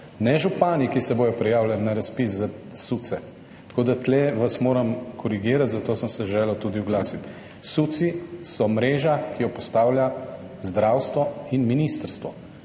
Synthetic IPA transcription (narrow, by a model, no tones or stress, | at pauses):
nɛʒupaːnikisɛboːjɔpɾɛjaːwlʲjalnaɾaspis̬za | sut̪sɛ | t̪koːd̪at̪lɛʋasmoːɾɐmkʰɔɾiɡiːɾat̪zat̪oːsəmsɛʒɛːlət̪uːd̪iuɡlaːsit̪ | sut̪sisɔmɾeːʒakʰijɔpɔst̪aːwlʲja | zd̪ɾawst̪ʋɔinminist̪əɾst̪ʋɔ